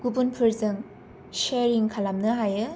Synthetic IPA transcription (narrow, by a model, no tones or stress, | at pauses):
ɡubunpʰɯɾzɯŋ | ʃeɾiŋkʰalamnɯɦajɯ